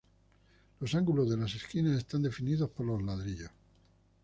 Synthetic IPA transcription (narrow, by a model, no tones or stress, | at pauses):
lo̞saŋɡulo̞zðe̞lase̞skinase̞st̪and̪e̞finiðo̞spoɾlozlaðɾiʎos